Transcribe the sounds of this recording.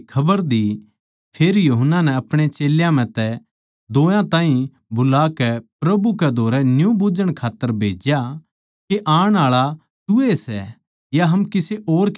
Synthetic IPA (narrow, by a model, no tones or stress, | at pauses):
kʰɐbəɾd̪i | pʰeːɾjuɦənːanɛ̃ɐpɽ̃et͡ʃeːljãm̤ɛ̃t̪ɛ | d̪oːjãt̪ãːɦĩ | bʊlaːkɛpɾɐbukɛd̪ʱoːɾɛnjũbud͡ʒəɽ̃kʰaːt̪ːəɾbʱeːd͡ʒja | keʔaːɽ̃aːɭa | t̪ʊesɛ | jaɦɐmkɪseʔoːɾk